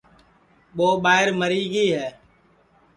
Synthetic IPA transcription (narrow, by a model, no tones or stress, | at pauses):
ɓoːɓaːɪɾməɾiːɡiːɦɛː